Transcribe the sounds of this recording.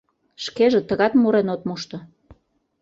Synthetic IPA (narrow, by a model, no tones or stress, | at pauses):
ʃkeʒĕt̪əɣɑt̪muɾenot̪muʃt̪o